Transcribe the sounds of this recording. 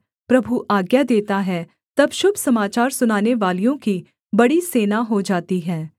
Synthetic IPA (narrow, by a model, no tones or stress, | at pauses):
pɾɐbʱuʔaːɡjad̪eːt̪aɦɛ | t̪ɐbʃʊbʱsɐmaːt͡ʃaːɾsʊnaːneʋaːlijõki | bɐɽiseːnaɦod͡ʒaːt̪iɦɛː